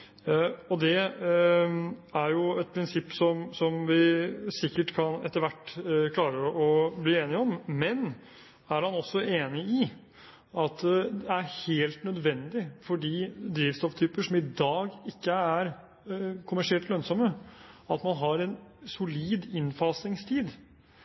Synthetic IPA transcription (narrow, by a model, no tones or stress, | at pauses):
ɔd̪ɛ | æɾjʊɛt̪̚pʰɾɪnsɪpːsɔmsɔmʋɪsɪkːəʈkʰɑnɛ̰t̪ːəɾʋæʈːkʰlɑːɾəʔɔbliːeːnɪɔmmɛn | æɾhɑnɔsːɔeːnɪɪ | ɑt̪d̪ɛæɾheːlt̪nœd̪ʋɛnd̪ɪfɔɖiːd̪ɾiːʋst̪ɔft̪ʰyːpəʂɔmɪd̪ɑːɡɪkːəæɾ | kʰʊmæʂɪɛlt̪lœnsɔməɑt̪mɑnɦɑɾɛnsʊliːd̪ɪnfɑːsɪŋst̪ʰiːd̪